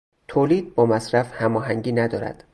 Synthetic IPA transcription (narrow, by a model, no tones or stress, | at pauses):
t̪ʰoːliːd̪̚bɒːmæsɾæfhæmɒːɦæŋɟiːnæd̪ɒːɾæ̰d̪̥